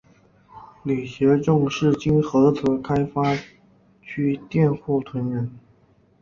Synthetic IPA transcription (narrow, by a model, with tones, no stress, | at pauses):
ly˨˩ɕjɛ˧˥ʈ͡ʂʊ˥˧ŋʂɻ̩˥˩t͡ɕi˥nxɤ˧˥t͡sʰɤ˧˥kʰa˥ɪfa˥ | t͡ɕʰy˥t̪jɛ˥˧nxu˥˩t̪ʰwə˧˥nɻə˧˥n